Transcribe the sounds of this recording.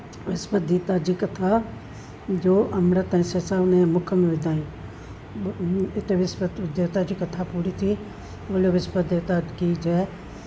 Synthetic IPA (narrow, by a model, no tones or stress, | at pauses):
ʋɪspəd̪iːt̪aːd͡ʒikɐt̪ʰa | d͡ʒoːʔɐmɾət̪ɐɦɛ̃sesaːʋnẽmʊkʰəmẽʋɪd̪ʱaːĩ | ɪt̪eʋɪspət̪ʋɪd̪jaːt̪ad͡ʒikɐt̪ʰapuːɾit̪ʰi | oːloʋɪspəd̪eːt̪ad͡ʒkid͡ʒɛː